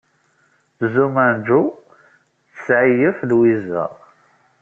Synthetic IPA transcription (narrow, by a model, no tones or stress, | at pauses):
θzumænd͡ʒu | θəsʕijəfðwizə̰ʁ